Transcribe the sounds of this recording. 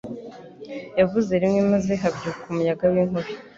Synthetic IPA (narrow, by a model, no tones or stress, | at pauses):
javuzeɾimŋemazeɦabɟukʰumujaɡawiŋhoɾo